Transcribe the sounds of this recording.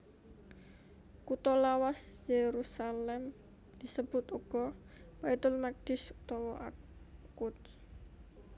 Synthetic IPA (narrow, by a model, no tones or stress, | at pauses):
kut̪ɔlawasjeɾusalɛm | d̪̥isəb̥ʊt̪uɡ̥ɔwait̪ʊlmak̚d̪̥ɪsut̪ɔwɔʔa̰kʊt̪